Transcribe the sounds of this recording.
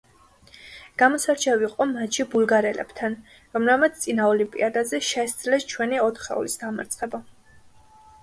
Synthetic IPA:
ɡ̥amɔsaɾt͡ʃʰɛviqʼɔmat͡ʃʰibulɡaɾɛlɛ̰b̥t̪ʰan | ɾɔmɾɛlmat̪st̪ʼinaɔlimpʼḭad̪azɛʃɛsd̪zlɛst͡ʃʰwɛniɔt̪ʰχɛ̰ɔ̰lisd̪ama̰ɾt̪sʼχʼɛba

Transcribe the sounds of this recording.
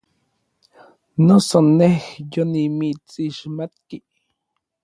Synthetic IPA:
nosonexjonimit͡siʃmat̪̚kiʔ

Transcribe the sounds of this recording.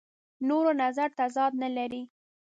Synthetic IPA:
noɾonazaɾt̪azɑd̪nalaɾi

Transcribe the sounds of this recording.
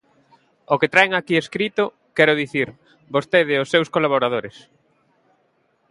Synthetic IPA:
oket̪ɾaeŋakieskɾit̪o | kɛɾʊðiθiɾ | bost̪eðɪʊsːewskolaβoɾað̞oɾes

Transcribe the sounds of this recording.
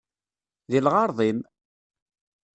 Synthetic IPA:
ðilʁɑɾˤðˤin

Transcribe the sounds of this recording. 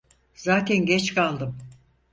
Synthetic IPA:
z̥aːt̪ʰɛnɟɛt͡ʃkalˠd̪ɯm

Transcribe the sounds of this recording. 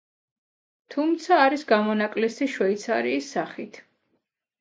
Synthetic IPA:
t̪ʰumt̪sʰaːɾisɡamɔnakʼlɛsiʃwɛit̪sʰaɾiːsːaχit̪ʰ

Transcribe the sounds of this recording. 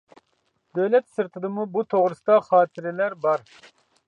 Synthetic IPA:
d̪øwlɛt̪sɨɾt̪ʰɨd̪ɨmubut̪ʰoʁɾɨsɨd̪ɑχɑːt̪ʰɪɾɪlæɾbɑɾ

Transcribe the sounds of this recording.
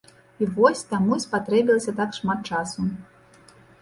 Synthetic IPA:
ivɔsʲt̪amusʲpat̪ɾɛbʲilˠɐsʲɐt̪akʂmat̪̚t͡ʂasu

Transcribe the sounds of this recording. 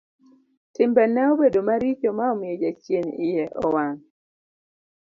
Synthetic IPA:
tɪmbɛnːɛɔbedomaɾit͡ʃomaɔmɪjɔd͡ʒat͡ʃjenɪjɛʔɔwaŋ

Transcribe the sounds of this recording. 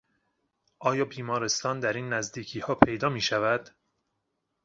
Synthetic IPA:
ʔɒːjɒːbiːmɒːɾe̞st̪ɒːnd̪æɾiːnːæzd̪iːcʰiːhɒːpʰe̞jd̪ɒːmiːʃævæd̪̥

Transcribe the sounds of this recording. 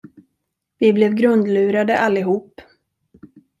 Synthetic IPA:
vɪblɛvɡɾɵnd̪lʉ̟ːɾad̪əʔalːɪɦuːpː

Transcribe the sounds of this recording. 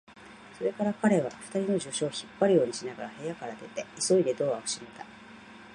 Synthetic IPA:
so̞ɾe̞kaɾakaɾe̞β̞a̰ɸɯ̟̥t̪aɾʲino̞ʑo̞ɕo̞ːçipːaɾɯ̟jo̞ːɲ̟iɕinaɡaɾahe̞jakaɾad̪e̞t̪e̞iso̞id̪e̞d̪o̞ːβaɯ̥ɕimet̪a

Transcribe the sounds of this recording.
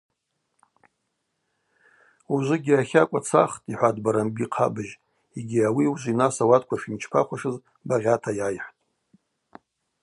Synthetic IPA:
uʒʷɨɡʲiaχʲakʷʼat͡sʰa̰χtʼiħʷadbaɾambiqʰa̰bɨʒ | eɡʲiawiuʒʷinasawatʰʼkʷʰafimt͡ʃʰpʰa̰χʷaʂɨz | baʁʲatʰajajħʷtʼ

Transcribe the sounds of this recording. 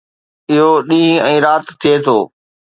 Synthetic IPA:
ɪɦoɗĩːɛ̃ːɾaːt̪ʰːijet̪ʰoː

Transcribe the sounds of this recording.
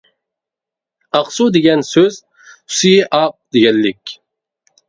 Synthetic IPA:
ɑqsud̪eɡʲɛnsøz | sijiʔɑp̚d̪eɡʲɛlːɪkʲ

